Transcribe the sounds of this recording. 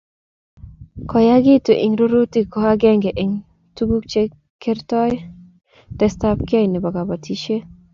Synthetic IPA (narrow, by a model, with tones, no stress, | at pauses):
kɔ˨ja˦ɡi˦tu˨ʔi˨ŋɾo˦ɾo˦ti˦kɔ˨ha˦ɡɛ˦ŋɡɛ˨ʔi˨ŋ | tu˦ɡu˦k̚t͡ʃe˦ | kɛ˦ɾtɔ˦j | d̥ɛ˨stap̚ki˦a˦jni˨ba˨ɡa˨ba˨tʰi˦ʃe˦